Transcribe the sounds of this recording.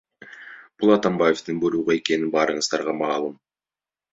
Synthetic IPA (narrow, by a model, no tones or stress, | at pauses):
b̥ʊlˠɑt̪ambaje̞ft̪ɪŋbɵɾuʁɑe̞kʲe̞nɪnbɑɾəɴəzd̪ɑɾʁɑmɑːlˠəm